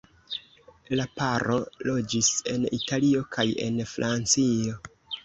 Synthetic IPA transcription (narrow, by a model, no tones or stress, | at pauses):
lapaɾʔo̞lo̞d͡ʒise̞nitalio̞kʰaje̞̰nfɾʔant͡sio̞